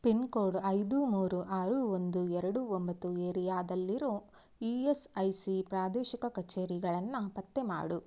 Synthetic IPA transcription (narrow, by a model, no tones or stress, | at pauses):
penkoːɽɐjd̪umuːɾuʔaːɾuond̪uɛɾɐɽuombɐt̪ːueːɾijaːd̪ɐlːiɾoː | iesɐjsipɾaːd̪ɛːʃikɐkɐt͡ʃːeːɾiɡɐɭɐnːɐpɐt̪ːema̰ːɽu